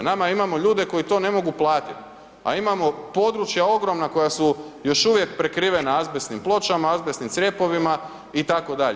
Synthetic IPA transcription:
namaimamo̞ʎuːd̪e̞ko̞jit̪o̞ne̞mo̞ɡuplˠaːt̪it̪ | a̰imamo̞po̞d̪ɾut͡ʃjao̞ɡɾo̞mnako̞jasujo̞ʃuʋje̞kpɾe̞kɾiːʋe̞naazbesnimplˠo̞t͡ʃamaazbesnimsɾʲe̞po̞ʋima | it̪ako̞d̪aʎ

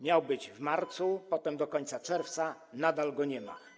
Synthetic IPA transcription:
mʲjawbɘd͡ʑvmaɾt̪supɔt̪ɛmd̪ɔkɔɲt̪sat͡ʂɛɾft̪sa | nad̪alɡɔɲɛma̰

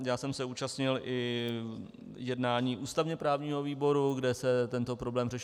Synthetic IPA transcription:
jaːsɛmsɛuːt͡ʃast̪ɲɪlʔɪ | jɛdnaːɲiːʔuːst̪avɲɛpɾaːvɲiːɦo̞viːbo̞ɾuɡdɛsɛt̪ɛnt̪opɾoblɛːmrɛʃ

